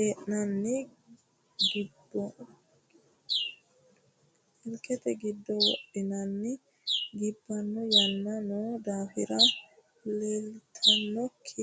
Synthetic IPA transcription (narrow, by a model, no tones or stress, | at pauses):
eʔnɐnːi | ɡibːɔ | hɪlkɛt̪ɛɡid̪ːɔwɔ̰ʔːinɐnːɪ | ɡɪbːɐnːɔjɐnːɐnɔd̪aːhɪɾɐ | lɛlt̪ʰɐnːɔkʰːi